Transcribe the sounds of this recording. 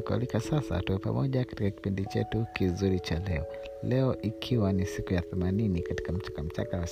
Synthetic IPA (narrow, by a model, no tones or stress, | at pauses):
kua̰likasasa̰tuwɛpa̰mɔʄakḁtikaki̥pindit͡ʃɛ̰tukizuɾit͡ʃalɛɔ | lɛɔʔikʰiwanisikujaθɛmaninikati̥kam̩t͡ʃḁkam̩t͡ʃa̰kawas